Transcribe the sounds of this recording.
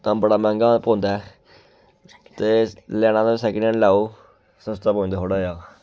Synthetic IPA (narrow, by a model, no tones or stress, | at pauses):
t̪ãːbəɽaːmɛ̃ːŋɡãːpõːnd̪aː | t̪eːlɛːnãːd̪aːsɛːknɛ̃nlaːoː | səst̪aːpõːnd̪aːɦoːɽaːjaː